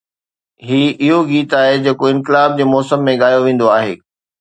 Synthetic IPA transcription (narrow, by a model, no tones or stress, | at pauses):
ɦiːɪɦoɡiːt̪aːɦed͡ʑeːkoɪ̃nkɪlaːb̚d͡ʑeːmɔːsəmːẽɠaːjoʋẽːn̆d̪oaːɦḛː